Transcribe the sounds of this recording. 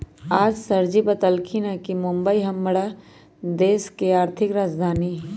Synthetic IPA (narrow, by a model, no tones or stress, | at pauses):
aːd͡ʒsɐɾd͡ʒibət̪əlkʰinakimʊ̃mbəiɦɐmːəɽa | d̪eːskeaːɾt̪ʰɪkɾaːd͡ʒd̪ʱaːniː